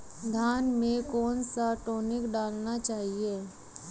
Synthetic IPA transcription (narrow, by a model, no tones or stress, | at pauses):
d̪ʱjaːnmẽkɔːnsaʈoːnɪkɖaːlnat͡ʃaːɦieː